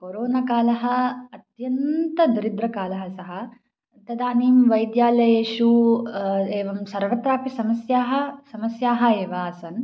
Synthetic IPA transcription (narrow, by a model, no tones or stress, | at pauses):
koːɾoːnakaːlɐɦɐ̆ɐt̪jɐnt̪ɐd̪iɾid̪ɾɐkaːlɐɦɐsɐɦɐ̆ | t̪ɐd̪aːniːmʋɐjd̪jaːlɐjeːʃu | eːʋɐmsɐɾʋɐt̪ɾaːpisɐmɐsjaːɦɐ̆sɐmɐsjaːɦɐ̆eːʋaːsɐn